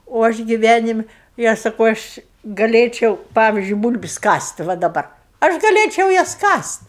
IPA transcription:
oː ˈɐʃ ɡʲɪˈʋʲænʲɪmʲɪ ɪ ˈɐʃ sɐˈkɐʊ ˈɐʃ ɡɐˈlʲeːt͡ʃʲɛʊ ˈpɑːʋʲɪzʲd͡ʒʲʊɪ ˈbuːlʲbʲɪsʲ ˈkɐsʲtʲ ʋɐ dɐˈbɐr ˈɐʃ ɡɐˈlʲeːt͡ʃʲɛʊ ˈjɛs kɐsʲtʲ

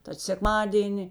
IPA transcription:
tɐt sʲɛkˈmɑːdʲiɛnʲɪ

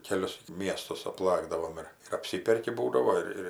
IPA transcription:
kʲɛˈlʲʊs ˈmʲiɛstʊs ɐpˈlˠɑːɡdɐʋoːm ˈɪr ɪr ɐpʲˈsʲɪpʲɛrʲkʲɪ ˈbuːdɐʋoː ɪr ˈɪr

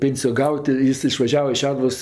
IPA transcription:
ˈpʲeːnʲsʲɪjoː ˈɡɐʊtʲ ˈjɪs ɪʃʋɐˈʒʲæːʋɐ ɪʃ ˈʃʲæːdʊʋoːs

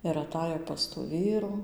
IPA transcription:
ɪr ɐˈtɑːjoː pɐs tuː ˈʋʲiːruː

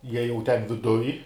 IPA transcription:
ˈjiɛ jɛʊ ˈtʲɛn ʋʲɪˈdʊj

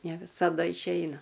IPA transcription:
nʲɛ ʋʲɪsɐˈdɐ ɪʃʲˈɛɪnɐ

